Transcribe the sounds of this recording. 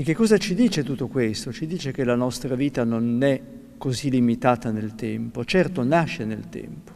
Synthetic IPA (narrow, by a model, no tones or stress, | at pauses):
ek̟ːekːɔːzat͡ʃid̪iːt͡ʃet̪ut̪ːokwest̪ot͡ʃid̪iːt͡ʃek̟elanɔst̪ɾaviːt̪anonɛ | kːozilːimit̪aːt̪anelt̪ɛmpot͡ʃɛrt̪onaʃːenelt̪ɛ̰mpo̥